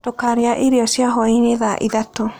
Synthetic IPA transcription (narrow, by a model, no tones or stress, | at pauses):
tokaɾeaʔiɾiɔsiaɦɔineðaʔiðato